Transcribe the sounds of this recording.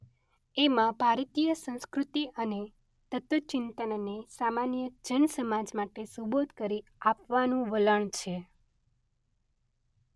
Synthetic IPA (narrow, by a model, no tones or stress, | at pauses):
emãbʱaɾt̪ijəsə̃ñskɾut̪iʔəne | t̪ət̪ʋət͡ʃɪnt̪ənnesamanjəd͡ʒənsəmad͡ʒmaʈesubot̪kəɾiapʋanũʋələɳt͡ʃʰe